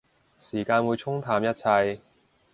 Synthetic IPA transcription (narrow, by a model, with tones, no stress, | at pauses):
siː˨˩kaː˧nwuː˨˧jt͡ʃʰʊ˥ŋt̪ʰaː˨˩mjɐ˥t̚t͡sʰɐ˧j